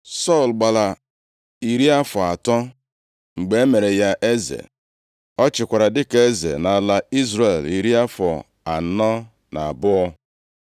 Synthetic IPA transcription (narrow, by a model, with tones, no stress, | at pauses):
sɔ˦˨lɡ͡ba˨la˨ | i˨ɾi˦a˦fɔ˨a˨tɔ˦ | ŋ͡m̩˨ɡ͡be˨e˦me˨ɾe˨ja˦ʔe˦zḛ˨ | ɔ˦t͡ʃɪ˨kʷa˨ɾa˨dɪ˦ke˦zḛ˨na˨la˨i˦zɾe˨li˨ɾi˦a˦fɔ˨ | a˨n̩˨˦nɔ˦ | na̰˨a˨bʊ˦ɔ˦